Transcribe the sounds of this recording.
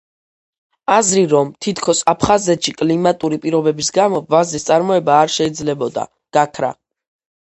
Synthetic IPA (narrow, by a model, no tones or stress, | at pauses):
azɾiɾɔmt̪ʰit̪ʰkʰɔsapʰχazɛt̪ʃikʼlimat̪ʼuɾipʼiɾɔbɛbisɡamɔvazist̪sʼaɾmɔɛbaːɾʃɛid̪zlɛbɔd̪a̰ | ɡ̥akʰɾa̰